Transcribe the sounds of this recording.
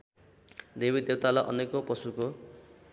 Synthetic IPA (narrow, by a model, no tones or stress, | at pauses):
d̪ebid̪ewt̪alaʔʌ̰nekopʌsuko